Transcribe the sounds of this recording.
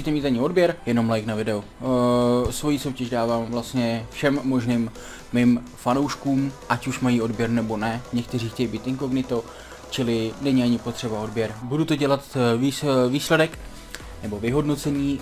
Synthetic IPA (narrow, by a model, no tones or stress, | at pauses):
iːt̪ɛmiːt̪aɲɪo̞dbjɛɾjɛno̞mlajknavɪdɛo | svo̞jiːso̞wcɛʃdaːvaːmvlast̪ɲɛfʃɛmːo̞ʒniːmː | ɪmfanowʃkuːmʔacuʃmajio̞dbjɛɾnɛbo̞nɛɲɛk̚t̪ɛriːxcɛjibiːt̪ɪŋko̞ɡnɪt̪o̞ | t͡ʃɪlɪnɛɲɪaɲɪpo̞t̪r̝̥ɛbao̞dbjɛɾbudut̪o̞ɟɛlat̪viviːslɛdɛk | nɛbo̞vɪɦo̞dno̞t͡sɛɲiː